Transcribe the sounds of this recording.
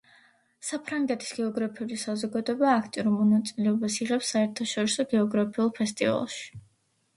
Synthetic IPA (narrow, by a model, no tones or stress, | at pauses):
sapʰɾaŋɡɛt̪ʰʼi̥sɡ̥ɛɔɡɾapʰiulisazɔɡad̪ɔɛbaːkʰt̪ʼiɔɾumɔnat̪sʼilɛɔbasiʁɛpsːaɛɾt̪ʰaʃɔɾisɔɡɛɔɡɾapʰiulˠpʰɛst̪ʼḭva̰lˠʃi̥